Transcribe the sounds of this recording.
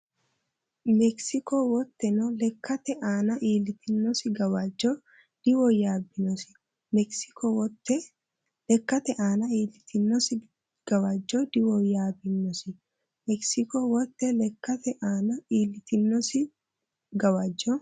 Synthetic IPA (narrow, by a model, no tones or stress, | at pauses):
mɛksɪkowɔt̪ːɛnɔlɛkːɐt̪ɛʔaːnɐʔiːlɪt̪ɪnːɔsɪɡɐwad͡ʒoː | d̪̥ɪwɔjaːbɪnɔsɪ̥ | mɛksɪ̥kot̪ːɛ | lɛkːɐt̪ɛʔaːnɐiːlɪt̪ʰɪnːɔsɪ | ɡ̥ɐwad͡ʒːoːd̪ɪwɔjaːbɪnːɔsɪ | mɛksɪkowɔt̪ːɛlɛkːɐt̪ɛʔaːnɐiːlɪt̪ɪnːɔsɪ | ɡɐwad͡ʒːo